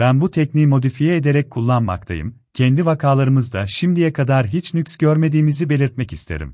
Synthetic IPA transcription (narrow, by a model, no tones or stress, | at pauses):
bænbut̪ʰɛcniːmo̞d̪ifijɛed̪e̞ɾɛc̚kʰulˠːanma̰k̚t̪ʰa̰jɯ̰m | cʰɛnd̪ivakʰaːlˠaɾɯmɯzd̪aʃimd̪ijɛkʰad̪aɾɦit͡ʃnycʲsɟøɾme̞d̪iːmizibe̞lʲiɾt̪mɛcist̪ʰe̞̰ɾḭm